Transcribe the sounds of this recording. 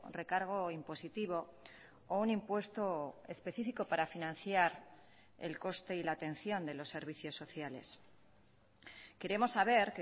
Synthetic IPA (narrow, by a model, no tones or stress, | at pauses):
re̞kaɾɣ̞o̞impo̞sit̪iβ̞o̞ | ounimpwe̞st̪o̞e̞spe̞θifiko̞paɾafinãn̟θjaɾ | e̞̰lko̞st̪e̞ilaːt̪e̞nθjo̞nd̪e̞lo̞sːe̞ɾβ̞iθjo̞sːo̞θjale̞s | ke̞ɾe̞mo̞sːaβ̞e̞ɾke